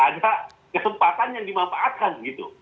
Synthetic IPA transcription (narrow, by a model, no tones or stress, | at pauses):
ʔada | kəsəmpat̪anjaŋdimanfaʔːt̪̚kanɡit̪ṵ